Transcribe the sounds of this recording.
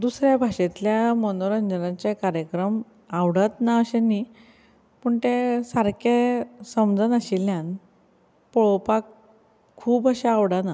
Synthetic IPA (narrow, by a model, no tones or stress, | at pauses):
d̪usɾjabʱaɕet̪ljamənoɾənd͡ʑənãt͡ɕekaɾjəkɾəm | aʋɽət̪naəɕeni | pəɳt̪esaɾkesəmd͡zənəɕilːjãn | pɔɭopakʰː | uːpəɕeaʋɽana